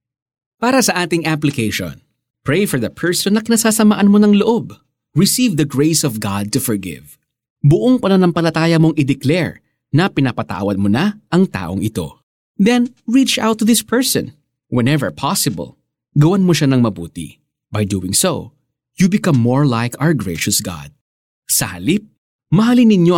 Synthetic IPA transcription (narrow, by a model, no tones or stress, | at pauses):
paːɾɐsɐʔaːt̪ɪŋʔaplɪkejʃõ̰n | pɹejfɔɹðɐpʰɛɹsɔnɐkɪnɐsaːsɐma̰ːʔɐnmonɐŋloʔo̞b | ɹɪsivd̪ɐɡɹejsɔvɡɑd̪̚t̪ʊfɔɹɡɪ̰v | bʊʔoŋpɐnɐnɐmpɐlɐt̪aːjɐmo̞ŋʔɪd̪ɛklɛɹ | nɐpɪnapɐt̪a̰wɐd̪̚monaʔɐŋt̪a̰ːʔo̰ŋʔɪt̪o̞̰ | d̪ɛnɹit͡ʃa̰wt̪ːuðɪspʰɛɹsɔ̰̃n | wɛnɛvə̰˞pʰɑsɪbɐ̰lˠ | ɡɐwanmoʃanɐŋmɐbṵːt̪ḭ | bɐjd̪ṵːwɪŋso̰ | jubɪkɐmːoɹlajkʰaəɹɡɹejʃʊsɡɑ̰d̪̚ | sɐhɐ̰lip̚ | mɐɦalinɪɲjo